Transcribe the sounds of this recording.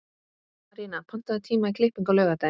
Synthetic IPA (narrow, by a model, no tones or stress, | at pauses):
aɾiːnapʰan̥t̪aðɪt̪ʰiːmaikʰlɪhpiŋkawlœːɣat̪aj